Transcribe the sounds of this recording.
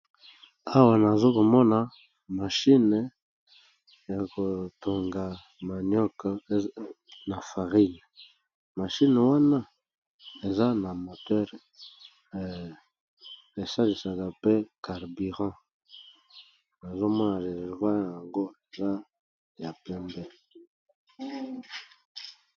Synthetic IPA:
a˦wa˨na˨zo˦ko˨mɔ˦na˨ | ma˨ʃi˦n˨ | ja˨ko˨to˨ŋɡa˨ | ma˨njɔ˦k | na˨fa˨ʁi˦n˨ | ma˨ʃi˦n˨wa˦na˦ | e˨za˦na˨mo˨tɛ˦ʁ | e˨sa˦li˨sa˨ka˨pe˦ka˨ʁbi˨ʁɑ̃˦ | na˨zo˦mɔ˦na˨le˨vwa˦ja˨ŋɡo˦e˨za˦ | ja˨pɛ˦mbɛ˦

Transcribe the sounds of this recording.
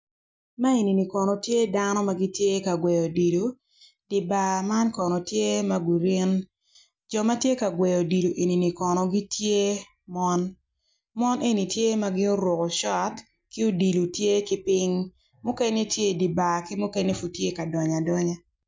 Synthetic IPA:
ma˦e˨ni˨ni˨kɔ˨nɔ˨tje˦da˦nɔ˦ma˨ɡi˦tje˦ka˨ɡwɛ˨jɔ˨di˨lo˨ | d̥i˨ba˨ma˦nkɔ˨nɔ˨tje˦ma˦ɡu˨ɾi˦n | d͡ʒɔ˨ma˦tje˦ka˨ɡwɛ˨jɔ˨di˨lo˨ʔe˨ni˨ni˨kɔ˨nɔ˨ɡi˦tje˦ | mɔ˦n | mɔ˦nʔe˦ni˨tje˦ma˦ɡɪ˦o˦ɾwo˨kɔ˨ʃɔ˦t | kɪ˦o˦di˨lu˨tje˦kɪ˦pɪ˦ŋ | mʊ˦kɛ˦ne˦tje˦˨di˨ba˨kɪ˦mʊ˦kɛ˦ne˦fu˨tje˦ka˨dɔ˨ɲa˨dɔ˦ɲa˦

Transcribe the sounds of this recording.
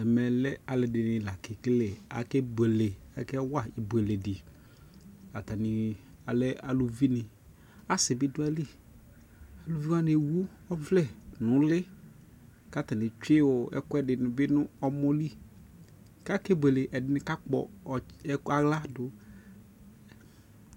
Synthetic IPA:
ɛ˨mɛ˨lɛ˦a˨lɪ˨dɪ˨nɪ˨la˨ke˨kle˨a̰˨kɛ˦be˨le˨ɛ̰˨kɛ˦wa˦ɪ˨bʷe˨le˨dɪ˨ | a˨ta˨nɪ˨ | a˨lɛ˦a˨lu˨vi˦nɪ˨ | a˦sɪ˨bɪ˦dʊ˦ɛ˦li˦˨ | a˨lu˨vi˦wa˦ne˨wu˦ | ɔ˦vlɛ˦˨nʊ̃˨˦lɪ˦ | ka˦˨ta˨nɪ˨t͡ʃɪ˦wʊ˨ɛ̰˦kʊ˦ɛ˦dɪ˨nʊ˨bɪ˦nʊ˦ɔ˦mɔ˦li˦ | ka˦ke˦bʷe˨le˨ʔɛ˨dɪ˦nɪ˦ka˦k͡pɔ̰˨˦ | a˨ɣla˦dʊ˨

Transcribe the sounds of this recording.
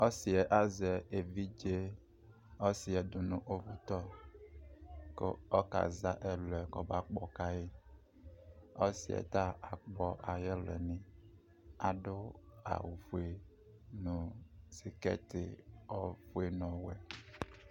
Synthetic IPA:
ɔ˦si˨ɛ˨ʔa˦zɛ˨e˨vi˦d͡ʒe˦ | ɔ˦si˨ɛ˨d̪ʊ˨nũ˦ʔo˦vu˦t̪ɔ˦ | kḛ˦ɔ˦ka̰˨za˦ʔɛ˦lɛ˨kɔ˨ba˦k͡pɔ˨ka˦je˦ | ɔ˦sḭ˨ɛ̰˨t̪a˦a˨k͡pɔ˦ʔa˨jɛ˦lɛ̰˨nĩ˨ | a˨ɖʊ˦a̰˨wu˨fu˨e˨ | nũ˨si˨kɛ̰˦t̪ɪ̰˨ɔ˦fu˦e˨nɔ̃˨wɛ˨

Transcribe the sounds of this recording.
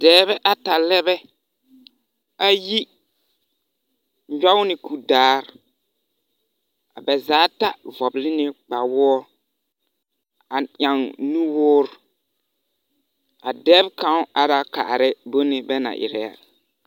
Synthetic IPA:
dɛː˨˦βɛ˦ʔa˨ta˨lɛ˦bɛ˦ | a˦ji˦ | d͡ʒa˦wnɪ˨ku˨daː˦ɾ | a˨bɛ˨zaː˨˦ta˦vɔ˨blɪ˦nɪ˦k͡pa˨wɔ˦ɔ˦ | a˨ɲa˨ŋnũ˦wʊː˦ɾ | a˨dɛː˦bkã˨˦ʔa˨da˨ka̰˨ʔɾɪ˦bo˦nɪ˨bɛ˦na̰˨ʔɪ̰˨ɾɛ˨ja̰˨

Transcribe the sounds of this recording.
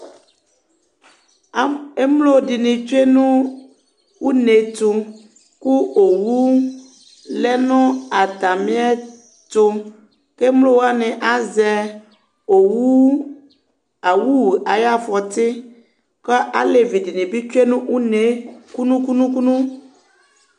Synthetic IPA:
e˦mlo˦˨di˨nĩ˨t͡ʃo˦e˦nũ˦ | wu˦ne˨t̪o˨ | ku˦o˨wu˦ | lɛ˦nɔ̃˦a˨t̪a˨mĩ˦a˦ | t̪o˦ | ke˦mlo˦wo˦a˦nɛ̃˨ʔa˦zɛ˨ | o˨wu˦ | a˨wu˦wu˨a˨ja˦fɔ˨t̪i˦ | kɔ˦ʔa̰˦le˨vi˨di˨nĩ˨bi˦t͡ʃo˦e˦nũ˦u˦ne˨ku˦nũ˦ku˦nũ˦ku˦nũ˦

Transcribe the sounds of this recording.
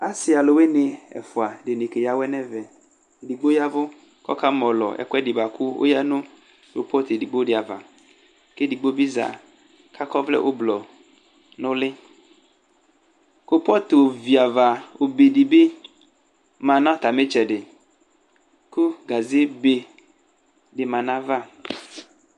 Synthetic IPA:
a˨˦sɪ˨a˨lo˨we˦nɪ˨ɛ̰˨fʊ˨a˨ɖɪ˨ne˨ke˨ja˦wɛ˦nɛ˦vɛ˨ | di˨ɡ͡bo˦ja˦vʊ˦ | kɔ̰˦ka˦mɔ̃˨lɔ̰˨ʔɛ̰˨kɛ˦di˨ba˨kʰu˦wʔo̰˦ja˦nʊ̃˦ | o̰˨pɔ˦t̪e˨di˨ɡ͡bo˦ɖɪ˨a˨va̰˨ | ke˦di˨ɡ͡bo˦bi˦za̰˨ | ka˦kɔ˦vlɛ̰˦ʔo˦blɔ˨ | nʊ̃˦lɪ˦ | ko˦pɔ˦t̪o˨vi˨a˨va˨wo˨be˨ɖi˨be˦ | mã˨nã˦t̪a˨me˦t͡ʃɛ˨ɖɪ˨ | ku˦ɡa˨ze˦be˨ | ɖɪ˨mã˨nã˦va˦˨

